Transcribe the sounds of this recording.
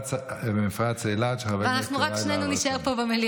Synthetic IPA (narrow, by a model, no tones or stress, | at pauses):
t͡sbemifʁat͡seilaʃeaveveanaχnuʁakʃnenuniʃaeʁpobemeli